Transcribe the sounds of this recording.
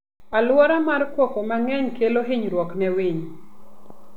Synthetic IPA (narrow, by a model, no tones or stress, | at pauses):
alwɔɾamarkwɔkomaŋɛɲkeloɦɪɲɾwɔknɛwiɲ